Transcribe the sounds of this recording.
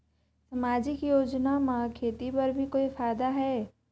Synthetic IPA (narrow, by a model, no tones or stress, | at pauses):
sɐmaːd͡ʒɪkjoːd͡ʒnamãkʰeːt̪ipɐɾbʱikoːiɪfaːjd̪aɦɛː